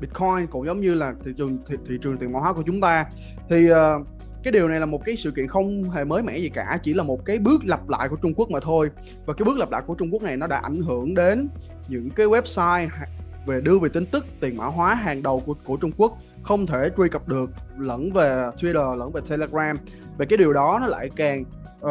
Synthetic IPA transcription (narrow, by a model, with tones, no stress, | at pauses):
ɗi˨˦˩t̚kʰɔ˧jnkʊ̰˧˥ŋ͡mzə˨˦wŋ͡mɲɨ˧laː˨˩t̪ʰi˧˨t͡ɕɨ˨˩ŋt̪ʰt̪ʰḭ˧˨t͡ɕɨ˨˩ŋt̪i˨˩nmaː˧˥waː˨˦ku˧˩ət͡ɕʊ˨˦ŋ͡mt̪aː˧ | t̪ʰi˨˩ʔəː˨˩ | kaː˨˦jɗi˨˩əwna˨˩jlaː˨˩mo˨˩t̚kaː˨˦jsɨ̰˧˨kḭ˧ənxə˧wŋ͡mɦe˨˩məː˨˦jmɛ̰˧˥zi˨˩kaː˧˩t͡ɕi˧˩laː˨˩mo˨˩t̚kaː˨˦jɓɨ˦˥ək̚la˨˩p̚la̰ː˧˨jku˧˩ət͡ɕʊ˧ŋ͡mku˦˥ək̚maː˨˩t̪ʰo˧j | vaː˨˩kaː˨˦ɓɨ˦˥k̚lə˨˩p̚la̰ː˧˨ku˧˩ət͡ɕʊ˧ŋ͡mku˦˥ək̚na˨˩jnɔ˨˦ɗa̰ː˧˥ʔa̰˧˩jŋ̟ɦɨ˧˩əŋɗe˨˦n | ɲɨ̰˧˥ŋkaː˨˦jwɛ˦˥p̚saː˧j | ve˨˩ɗɨ˧əve˨˩t̪ï˧ŋ̟t̪ɨ˦˥k̚t̪i˨˩ənma̰ː˧˩wɦwaː˨˦ɦaː˨˩ŋɗə˨˩wkku˧˩ət͡ɕʊ˧ŋ͡mku˦˥ək̚ | xə˧wŋ͡mt̪ʰe˧˩t͡ɕwi˧jkə˨˩p̚ɗɨ˨˩ək̚lə̰˧˥nve˨˩t̪ʰwi˧ɾəː˨˩lə̰˧˥˩nve˨˩t̪ʰe˧le˧ɣɹaː˧m | ve˨˩kaː˨˦jɗi˨˩əwɗɔ˨˦nɔ˨˦la̰ː˧˨jkaː˨˩ŋː˨